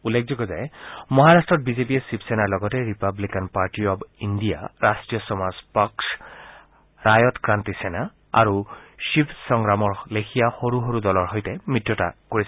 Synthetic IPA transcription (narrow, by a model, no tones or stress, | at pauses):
ulːek̚ʰzɔɡɔzajmɔɦaɹastɹɔt̚bizepiɛsipsenaɹlɔɡɔtɛɹipablikanpaɹʈiɔbindija̰ɹasʈɹijɔsɔmazpaks | ɹajɔtkɹantisɛna | a̰ɹuʃipsɔŋɡɹamɔɹlekʰijaxoɹuɦoɹudɔlɔɹɦojtɛmɹitːjɔta̰koɹis